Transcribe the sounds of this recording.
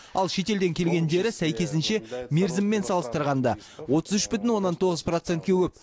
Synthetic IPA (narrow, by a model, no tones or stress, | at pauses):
ɑlˠʃe̞t̪e̞ld̪e̞ŋkʲʰe̞lɡʲe̞nd̪e̞ɾɪsæjkʲe̞s̬ɪnʃe̞me̞ɾzɪmːe̞nsɑlˠəst̪əɾʁɑnd̪ɑ | wo̞t̪əzʏʃbʏt̪̬ɪnwo̞nːɑnt̪ʰo̞ʁəzpro̞t̪se̞nt̪kʲewɵp̚